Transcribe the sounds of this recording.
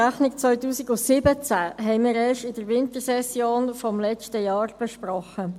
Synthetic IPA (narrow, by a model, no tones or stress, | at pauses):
æχnɪkt͡sʋœʏtuːsiɡʊsɪbət͡sæɦɛɪmiːɾɛːʃɪd̥əɾʋɪnt̪əɾsɛsjoːnfɔmlɛt͡ʃtəjɑːʁb̥ɛʃpɾɔχə